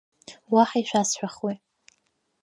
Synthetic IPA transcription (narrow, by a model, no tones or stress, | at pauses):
waħaiʃʷᶣasħʷᶣaχwi